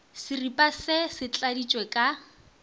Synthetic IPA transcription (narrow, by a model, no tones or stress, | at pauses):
sɪripʼasɪsɪt͡ɬʼadit͡ʃʼwɛkʼa